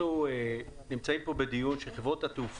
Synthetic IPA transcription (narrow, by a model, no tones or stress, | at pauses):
uenimt͡saimpo̞bed̪ijunʃelχevʁo̞tat̪euf